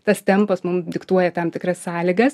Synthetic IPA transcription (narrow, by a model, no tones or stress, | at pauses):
t̪ɐst̪ʲɛmpɐsmʊmd̪ʲɪkt̪uɔjɛt̪ɐmt̪ʲɪkrɐssɑːlʲɪɡɐs